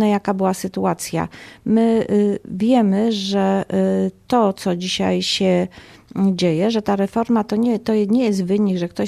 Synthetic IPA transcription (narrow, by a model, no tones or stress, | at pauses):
ajakabɘwasɘt̪uat̪sʲja̰mɘvʲjɛmɘʐɛ | t̪ɔt̪sɔd͡ʑiɕa̰jɕɛ | d͡ʑejɛʐɛt̪aɾɛfɔɾmat̪ɔɲɛt̪ɔjɲɛjɛst̪vɘɲiɡʐɛkt̪ɔ